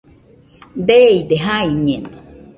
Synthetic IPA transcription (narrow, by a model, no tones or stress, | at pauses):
d̪eid̪eɦaiɲena